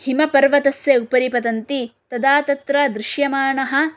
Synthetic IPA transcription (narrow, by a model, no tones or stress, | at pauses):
himɐpɐɾʋɐt̪ɐsjɐupɐɾipɐt̪ɐnt̪it̪ɐd̪aːt̪ɐt̪ɾɐd̪ɾɪʃjɐmaːɳɐɦɐ̆